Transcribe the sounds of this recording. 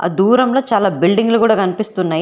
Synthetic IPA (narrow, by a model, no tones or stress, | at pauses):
a̰ːd̪uːɾɐmlo̞ːt͡ʃaːlaːbilɖiŋɡlukuːɽaːkɐnipist̪unːaːj